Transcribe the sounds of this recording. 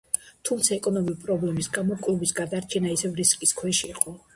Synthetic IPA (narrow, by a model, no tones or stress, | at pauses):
t̪ʰumt̪sʰaɛkʼɔnɔmivipʼɾɔblɛmisɡamɔkʼlˠubisɡad̪aɾt͡ʃʰɛnaisɛvɾiskʼiskʰwɛʃiːqʼɔ